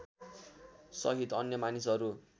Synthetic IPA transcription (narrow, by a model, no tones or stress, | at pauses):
sʌ̰ɦit̪ʌnjʌmanisʌɾu